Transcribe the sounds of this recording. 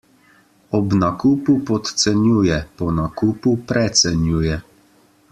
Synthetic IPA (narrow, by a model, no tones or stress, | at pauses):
ɔbnakuːpupɔt̪sɛnjuːjɛpɔnakupupɾɛt̪sɛnjuːjɛ